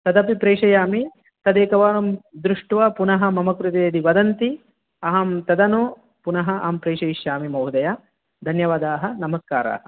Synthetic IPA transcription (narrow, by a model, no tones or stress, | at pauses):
t̪ɐd̪ɐpipɾeːʂɐjaːmi | t̪ɐd̪eːkɐʋaːnɐmd̪ɾuʂʈʋɐpunɐɦɐ̆mɐmɐkɾut̪eːd̪iʋɐd̪ɐnt̪i | ɐɦɐmt̪ɐd̪ɐnu | punɐɦɐʔa̰ːmpɾeːʂɐjiʃjaːmimɐwɦd̪ɐja | d̪ʱɐnjɐʋaːd̪aːɦɐ̆nɐmɐskaːɾa̰ːɦɐ̆